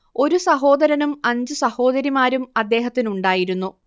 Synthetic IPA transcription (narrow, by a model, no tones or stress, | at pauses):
o̞ɾusɐɦo̞ːd̪ɐɾɐnumɐɲd͡ʑɨsɐho̞ːd̪ɐɾimaːɾumɐd̪ːe̞ːɦɐt̪ːinuɳɖaːjiɾunːu